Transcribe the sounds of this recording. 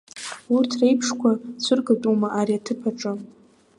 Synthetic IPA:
urtʰrejpʰʂkʷʰat͡sʷʰɨrɡatʼumaʔaɾiatʰɨpʰaʈ͡ʂʼɨ

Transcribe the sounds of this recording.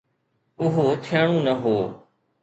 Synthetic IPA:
ʊɦoːt̪ʰɪjaːɳ̃ũːnəɦoː

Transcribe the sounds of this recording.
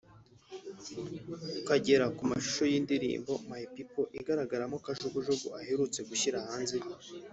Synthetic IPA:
kaɟe̞ɾakumaʃu̥ʃo̞jiːndiɾḭːmbo̞maipipo̞ʔiɡaɾaɡaɾamokaʒuɡuʒoɡṵʔaheɾut͡se̞ɡuɕiɾahaːnze

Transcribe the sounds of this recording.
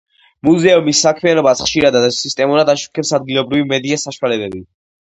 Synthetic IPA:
muzɛumisːakʰmianɔbasχʃiɾad̪aist̪ʼɛmuɾad̪aʃu̥kʰɛpsad̪̚ɡilɔbɾivimɛd̪iasaʃwalɛbɛbi

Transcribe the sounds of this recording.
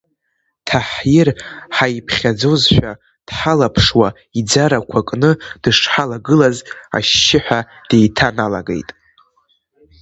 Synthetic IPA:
tʰaħjɪrħajpʰχʲad͡zo̞zʃᶣʷa | d̥ħalapʰʂwa | id͡zaɾakʷʰakʼnɨd̥ɨʂħalaɡɨlaza̰ʃːɪħʷᶣa | d̥e̞jtʰanalaɡḛjtʼ

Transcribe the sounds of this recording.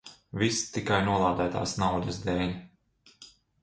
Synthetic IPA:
vist̪ikajnuɔlˠaːd̪æjt̪a̰ːsnawd̪ɐzd̪eːlʲ

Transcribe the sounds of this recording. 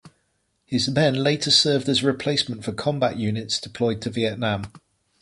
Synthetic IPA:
hɪzmɛ̃nleɪtʰəsɜːvdəzəɹɪpʰl̥eɪsmə̃ntfəkʰɒ̃mba̰ʔjʉːnɪtsd̥ɪpʰl̥ɔɪd̚tʰəviɛʔnãm

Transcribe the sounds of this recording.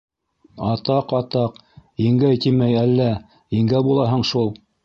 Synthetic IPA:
ɑt̪ɑqɑt̪ɑqiŋɡæjt̪imæjælːæ | ĭŋɡæbulˠɑɦɤɴʃulˠ

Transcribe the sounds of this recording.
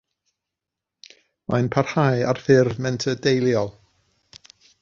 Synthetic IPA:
majnpʰar̥haja̰rfɪrmɛntʰədejlˠjɔlˠ

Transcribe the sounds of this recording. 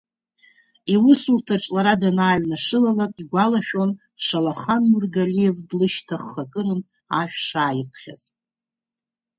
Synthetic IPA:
iwʊsurtʰaʈ͡ʂʼlaɾadanaːɥnaʂɨlalakʼiɡʷalaʃᶣo̞n | ʂalaχanmurɡalijevdlɨʃtʰaχːakʼɨɾɨn | aʃᶣʂaːjɪrqʰχʲa̰z̥

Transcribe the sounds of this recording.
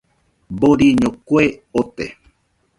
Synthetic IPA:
boɾiɲõkʷeot̪ḛ

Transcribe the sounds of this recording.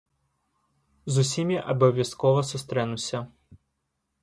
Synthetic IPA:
zusʲimʲiʔɐbɐvʲjaskɔvɐsust̪ɾɛnusʲɐ

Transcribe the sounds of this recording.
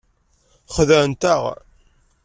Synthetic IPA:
χðəɾənt̪əʁ

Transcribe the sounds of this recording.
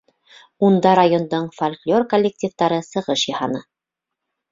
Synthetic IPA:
und̪ɑɾajo̞nd̪oɴfolʲklʲo̞rkolʲːek̚tʲift̪ɑɾɤsɤ̆ʁɤʃjɑhɑnɤ

